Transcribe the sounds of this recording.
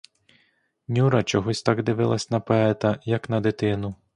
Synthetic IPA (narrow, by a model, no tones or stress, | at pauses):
nʲuɾɐt͡ʃɔɦɔsʲt̪ɑɡd̪ɪʋɪlˠɐsʲnɐpɔɛt̪ɐjɐknɐd̪ɪt̪ɪnʊ